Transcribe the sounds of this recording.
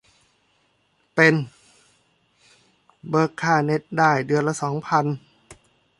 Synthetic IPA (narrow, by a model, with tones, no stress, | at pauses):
pe˧n | bɤː˦˥˩kʰːaː˥˩ne˦˥t̪̚daː˥˩jdɯ˧ənla˧˥sɔː˩˦ŋpʰa˧n